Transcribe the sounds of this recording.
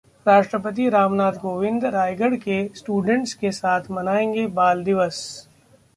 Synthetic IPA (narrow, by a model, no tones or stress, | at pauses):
ɾaːʃʈɾəpət̪̬iɾaːmnaːt̪ʰɡoːʋɪ̃nd̪ɾaːjɡəɽkesʈuːɖə̃ɳʈskesaːt̪ʰmɐnaːẽːŋɡebaːld̪ɪʋəs